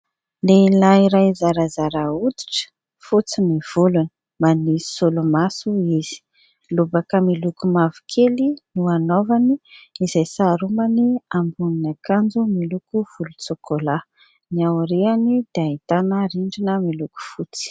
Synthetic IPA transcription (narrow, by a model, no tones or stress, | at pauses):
leilaiɾajzaɾazaɾaud̪i̥ʈ͡ʂə̥ | fut͡simiv̥ulunə̥ | manisolumasuiz̥i̥ | lubakəmilukumavi̥kʰelinuanovaniizajsaɾumaniambuninakand͡zumilukuv̥ulut͡sokʰola | niawɾeanid̪̥eait̪anəɾiɳɖ͡ʐinəmiluku̥fut͡si̥